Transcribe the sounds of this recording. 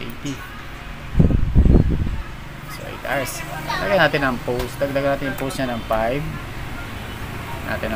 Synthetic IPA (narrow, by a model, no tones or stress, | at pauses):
it̪i | so̰ʔɪ̰t̪asɐɡlaɐɡanaːt̪ɪnɐŋpowsd̪ɐɡlaɡɐnaːt̪ɪnʊpowsɲanɐŋpajv | nʔa̰ːt̪ɪnɐ